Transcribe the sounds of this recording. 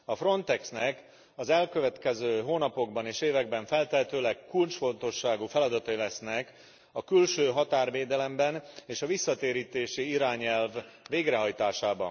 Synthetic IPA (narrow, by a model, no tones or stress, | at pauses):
ɒfro̞nt̪ɛksnɛk | ɒzɛlkø̞vɛt̪kɛzøːɦoːnɒpo̞ɡbɒneːʃeːvɛɡbɛɱfɛlt̪ɛt̪øːlɛkːult͡ʃfo̞nt̪o̞ʃːaːɡuːfɛlɒd̪ɒt̪ɒilɛsnɛk | ɒkylʃøːɦɒt̪aːrveːd̪ɛlɛmbɛneːʃɒvisːɒt̪eːɾiːt̪eːʃiiɾaːɲɛlvːeːɡrɛɦɒjt̪aːʃaːbɒ̰n